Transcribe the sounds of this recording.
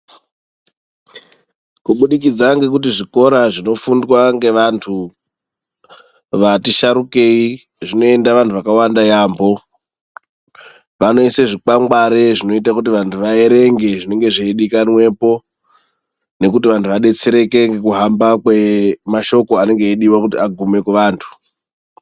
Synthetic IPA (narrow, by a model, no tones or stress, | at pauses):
kuɓuɗik̬id͡zaŋɡe̞k̬utiʐiko̞ɾaʐino̞fundwaŋɡe̞ʋantʰu | ʋatiʃaɾuke̞i | ʐino̞e̞ndaʋantʰuʋakawandajaːmbo̞ | ʋano̞ise̞ʐik͡paŋɡaɾe̞ʐino̞itakut̬iʋantʰuʋae̞ɾe̞ŋɡe̞ʐine̞ŋɡe̞ʐeiɗikanwe̞po̞ | ne̞kutiʋantʰuʋaɗe̞t͡se̞ɾe̞ke̞ŋɡekuɦambakwemaʃo̞ko̞ane̞ŋɡe̞ːɗiwakutiaɡʱume̞kuʋaːntʰu̥